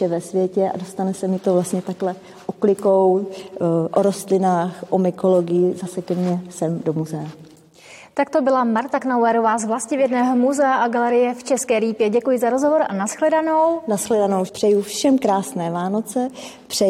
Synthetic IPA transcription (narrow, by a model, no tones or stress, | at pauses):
ɛvɛsvjɛcɛʔa̰do̞st̪anɛsɛmɪt̪o̞vlast̪ɲɛt̪aklɛ | ʔoklɪkow | ʔoɾo̞st̪lɪnaːxʔomɪkolo̞ɡɪjɪzasɛkɛmɲɛsɛmdo̞muzɛa | t̪ak̚t̪obɪlamaɾt̪aknawɛɾovaːzvlascɪvjɛdnɛːɦomuzɛaʔaɡalɛɾɪjɛft͡ʃɛskɛːɾiːpjɛɟɛkujɪzaɾozɦovo̞ɾʔa̰nasxlɛdano̞wnasxlɛdano̞wpr̥ɛjufʃɛmkɾaːsnɛːvaːnot͡sɛ | pr̝̥ɛ